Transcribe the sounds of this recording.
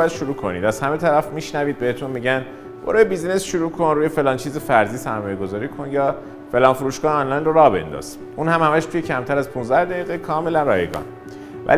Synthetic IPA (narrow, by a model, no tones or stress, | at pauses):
jæd̪̥ʃuɾuːkʰonḭːd̪æz̥hæme̞t̪ʰæɾæfmiːʃnæviːd̪̚beet̪ʰunmiɟæn | b̥o̰ɾɑːjebizne̞sʃuɾuːkʰonruːje̞fe̞lɒːnt͡ʃʰiːzefæɾziːsæɾmɒːjeɡo̞zɒːɾiːkʰonjɒː | fe̞lɒːnfoɾuːʃɡɒːheɒnlɒjnroɾɒːbe̞̰nd̪ɒ̰ːz̥ | ʔuːnhæmhæmæʃt̪ʰujecʰæmt̪ʰæɾæzpʰunzd̪æhd̪æɡiːɣekʰɒːme̞lænrɒːjeɡɒ̰ːn | væ̰